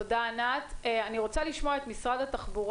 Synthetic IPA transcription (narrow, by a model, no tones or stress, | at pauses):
odaːnat̪eaniʁo̞t͡saliʃmoaet̪misʁad̪hat̪aχbuʁ